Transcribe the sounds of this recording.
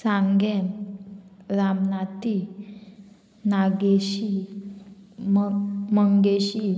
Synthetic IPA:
sãŋɡen | ɾamnat̪i | naɡeɕi | mməŋɡeɕi

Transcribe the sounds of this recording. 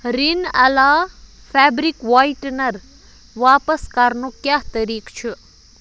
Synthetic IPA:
ɾinɐlaː | pʰɛːbɾikʋaːiʈnɐɾ | ʋaːpəskɐɾnokjaːɦt̪ɐɾiːkt͡ʃʰu

